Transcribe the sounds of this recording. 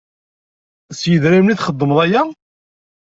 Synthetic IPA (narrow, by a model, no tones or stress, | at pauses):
sjəðɾæmniθχəd̪ˤːəmðˤæjæ